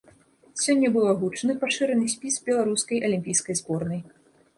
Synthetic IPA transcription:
sʲɔnʲːɐbɨlˠɐɣut͡ʂnɨpaʂɨɾɐnɨsʲpʲisbʲɛlˠaɾuskɐjʔɐlʲimʲpʲijskɐjzbɔrnɐj

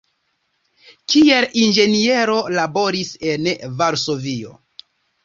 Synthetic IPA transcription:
kielʔind͡ʒe̞nie̞ɾo̞labo̞ɾise̞nvaɾso̞vio̞̰

